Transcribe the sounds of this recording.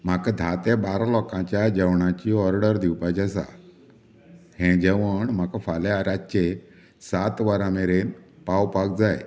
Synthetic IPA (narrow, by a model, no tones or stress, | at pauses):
m̤akad̪ʱat̪ebaɾalɔkãt͡ɕjad͡ʑɛwɳãt͡ɕiːɔɾɽəɾd̪iwpat͡ɕasa̰ | hɛ̃d͡ʑɛʋəɳm̤akafaleaɾat͡ɕe | sat̪ʋaɾameɾenpawpak̚d͡zaj